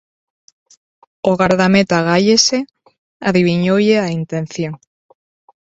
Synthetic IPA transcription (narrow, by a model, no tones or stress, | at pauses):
oɣaɾðamet̪aɣaʎese | aðiβ̞iɲoʎeaint̪ẽnθjoŋ